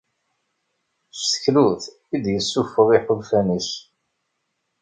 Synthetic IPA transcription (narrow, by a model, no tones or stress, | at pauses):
stçluθ | id̪jəsːufəʁiħʊlfænəs